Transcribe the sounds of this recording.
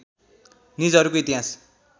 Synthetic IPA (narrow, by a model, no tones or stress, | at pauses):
nid͡zʌɾukoit̪iɦas